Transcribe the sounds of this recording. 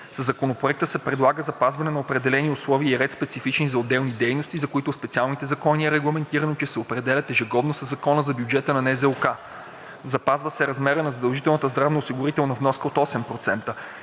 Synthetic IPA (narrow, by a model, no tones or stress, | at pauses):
sɐzɐkonopɾoɛk̚t̪əsɛpɾɛd̪lˠaɡəzɐpazvɐnɛnɐopɾɛd̪ɛlɛniʊslˠɔviːɾɛt̪spɛt̪sifit͡ʃnizɐod̪ɛlˠnid̪ɛjnost̪izɐkoit̪ʊspɛt̪sialˠnit̪ɛzɐkɔniɛɾɛɡlˠɐmɛnt̪iɾɐnot͡ʃɛsɛopɾɛd̪ɛlʲɐt̪ɛʒɛɡɔb̪nosəzɐkɔnəzɐbjud͡ʒɛt̪ənɐnɛzɛlˠka | zɐpazvəsɛɾɐzmɛɾənɐzɐd̪ɐlˠʒit̪ɛlˠnət̪əzd̪ɾavnɐosiɡʊɾit̪ɛlˠnɐvnɔskəot̪ɔsɛmpɾot̪sɛnt̪ə